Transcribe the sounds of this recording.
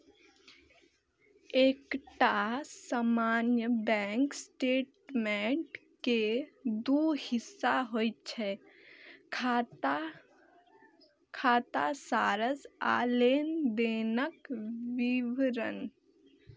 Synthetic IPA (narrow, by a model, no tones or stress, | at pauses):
eːkʈasamaːnjəbɛ̃ːŋksʈeːʈmeɳʈked̪uːhɪsːaɦojt͡ʃʰɛ | kʰaːt̪asaːɾəza̰ːleːnd̪eːnəkʋiʋɾə̰n